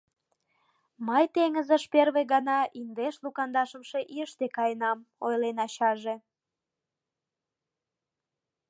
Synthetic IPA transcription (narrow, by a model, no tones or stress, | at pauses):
məjt̪eŋəzəʃperβeɣɑnɑind̪eʃlukɑnd̪ɑʃə̆mʃeʔiəʃt̪ekɑjənɑmojlenɑɕɑʒe